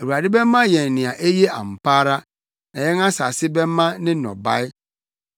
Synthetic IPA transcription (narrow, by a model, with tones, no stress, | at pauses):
e˨u˨a˨dɪ˦bɛ˦mː˦ã˦jɛ̃˨n˨nːɪ̃˨a˨ʔe˦je˦ã̰˨m̩˨paː˦ɾa˦ | nɛ˨jɛ˦ŋã˦sa˨sɪ˦bɛ̃˦mː˦ã˦nɪ̃˦nɔ̰̃˨ba˦ɪ˦